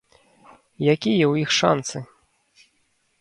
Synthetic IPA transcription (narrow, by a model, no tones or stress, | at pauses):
jakʲijɛwjixʂa̰nt̪sɨ